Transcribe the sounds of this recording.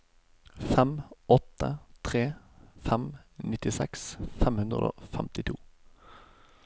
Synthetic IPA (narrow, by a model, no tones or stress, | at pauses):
fɛmɔt̪ət̪ʰʁeː | fɛmnɪt̪ɪsɛ̰ksfɛmhʉnd̪ʁə̰d̪o̰ːfɛmt̪ɪt̪ʰuː